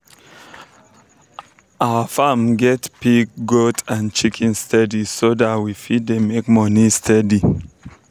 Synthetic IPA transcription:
ʔaəfamɡɛtpikɡotãnt͡ʃikʰɛ̃nstʰɛdisodatwifid̚demekmɔnistʰɛdi

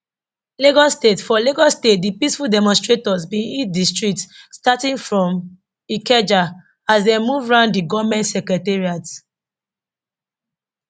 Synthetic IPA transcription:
leɡɔstetfɔleɡɔstet̚dipisfuldɛmɔ̃nstɹetɔzbĩnidistɹik̚tstatĩŋfɹɔ̃m | ikɛd͡ʒa | asdɛmuvɹãʊ̃ndiɡɔvmɛ̃ntsɛkɹɛtɛɹiat

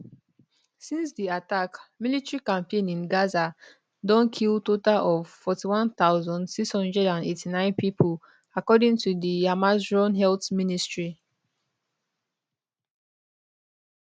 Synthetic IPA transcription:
sĩnsdiatakmilitɹikãmpẽnĩnɡaza | dɔ̃nkʰiltotalʔɔv̥fɔtiwãnθaʊzɔ̃ndsiksɔ̃ndɛdãnetʰinãɪ̃npipʰol | akɔdĩŋtʰudiamazɹɔ̃nɦɛltministɹi

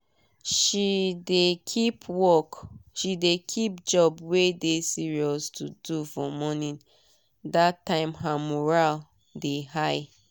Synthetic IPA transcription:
ʃidekʰipʰwɔkʃidekʰip̚d͡ʒɔbwedesiɹiɔstʰudufɔmɔnĩn | datːãɪ̃mɦamɔɹal | dehaɪ

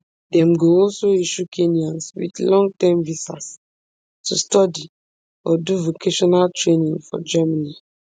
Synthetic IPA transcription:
dɛ̃mɡoɔlsoiʃukʰeniɔ̃nswḭdlɔ̃ŋɡ̚tɛ̃mvisas | tʰustɔdi | ɔduvokʰeʃɔnaltɹenĩŋfɔ̰d͡ʒɛmani

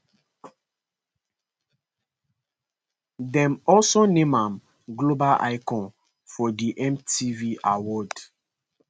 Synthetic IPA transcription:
dɛ̃mɔlsonemam | ɡlobalʔa̰ɪkɔ̃n | fɔdiʔɛmtiviʔawɔd

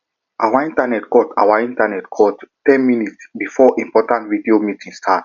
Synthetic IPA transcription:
ʔawaĩntanɛtkɔta̰waĩntanɛtkʰɔttɛ̃nminitsbifɔʔĩmpɔtãntvidiomitʰĩŋstʰat

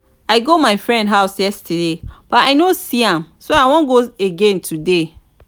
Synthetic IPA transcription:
aɪɡomaɪfɹɛ̃ndɦaʊsjɛstʰɛdeb̥ataɪnosiãmsoawɔ̃nɡoeɡẽntʰude

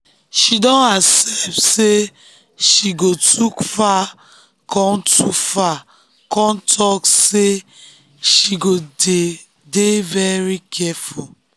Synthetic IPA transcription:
ʃidɔ̃nasɛp̚tse | ʃiɡotʰukfa | kʰɔ̃mtʰufa | kɔ̃ntʰɔkse | ʃiɡode | devɛɹikʰɛful

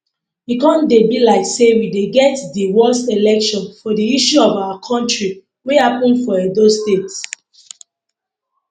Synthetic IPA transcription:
ikɔ̃ndebilaɪksewideɡɛtdiwɔlselɛkʃɔ̃nfɔdiiʃuɔvawakʰɔ̃ntɹi | wehapɔ̃nfɔedostets

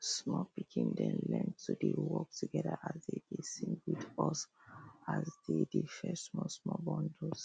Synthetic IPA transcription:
smɔpikʰĩndɛ̃nlɛ̃ntʰːudewɔk̚tuɡɛdəʔazdedesĩŋɡwidɔsazdedefɛstsmɔsmɔbɔ̃ndos

